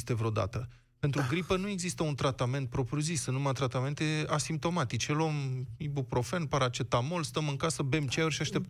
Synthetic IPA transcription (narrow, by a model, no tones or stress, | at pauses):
st̪e̞vɾeod̪a̰t̪ə | pent̪ɾuɡɾipənue̞ɡzist̪əunt̪ɾat̪ame̞nt̪̚pɾo̞pɾʲjuzisɨnumat̪ɾat̪ame̞nt̪e̞asimp̚t̪o̞mat̪it͡ʃelomibupɾo̞fenpaɾat͡ʃet̪amolst̪əmɨŋkasəbe̞mt͡ʃeorʃiaʃt̪e̞p